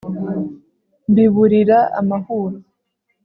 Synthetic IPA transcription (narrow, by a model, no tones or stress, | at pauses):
mbiβuɾiɾaa̰mahuɾu